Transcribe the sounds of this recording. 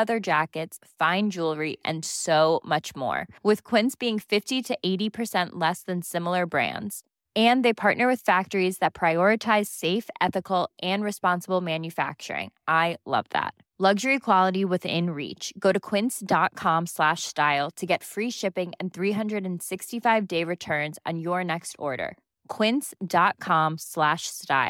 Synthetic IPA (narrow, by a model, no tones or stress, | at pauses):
ʌðə˞d͡ʒækɨtsfãɪ̃nd͡ʒulˠɹiʔɨ̰̃nsoʊmʌt͡ʃmɔ̰ɹwɪð̥kʰw̥ɪ̃nsb̥iɪ̃ŋfɪftiɾɨʔeɪɾipʰə˞sɛ̃nʔlɛsðɨ̃nsɪ̃ml̩ˠə˞bɹæ̰̃ndz̥ | ɨ̃nðeɪpʰɑɹʔnə˞wɨð̥fæk̚tə˞izðɨt̚pʰɹ̥aɪɔɹɨtʰaɪz̥seɪfʔɛθɨkl̩ˠʔɨ̃nɹɨspɑ̃nsəbl̩ˠmæ̃njɨfæ̰k̚t͡ʃə̰˞ɪ̰̃ŋʔaɪlʌ̰vðæ̰t̚ | lʌɡʒə˞ikʰw̥ɑlˠəɾiwɨðɪ̰̃nɹḭt͡ʃɡ̥oʊɾɨkʰw̥ɪ̃nsd̥ɑt̚kʰɑ̃mslæʃstaɪl̩ˠtʰɨɡɛtfɹiʃɪpɪ̃ŋɨ̃nθɹiɦʌ̃ndɹɨɾɨ̃n̩sɪkstifaɪvdeɪɹɨtʰɜ̃˞nz̃n̩jə˞nɛkstʰɔ̰ɹɾə̰˞ | kʰw̥ɪ̃nsd̥ɑt̚kʰɑ̃mslæʃsta̰ɪ